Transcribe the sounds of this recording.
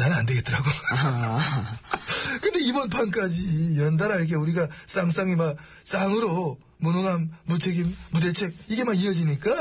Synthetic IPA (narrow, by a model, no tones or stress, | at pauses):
nanɯnande̞ɡet͈ɯɾaɡo | kɯnde̞ibʌnpʰank̬͈ad͡ʑijʌndaɾajk̬ʰeuɾiɡas͈aŋs͈aŋima | s͈aŋɯɾo | munɯŋamːut͡ɕʰeɡimːude̞t͡ɕʰe̞k̚iɡemaɡiʌd͡ʑiɲik͈a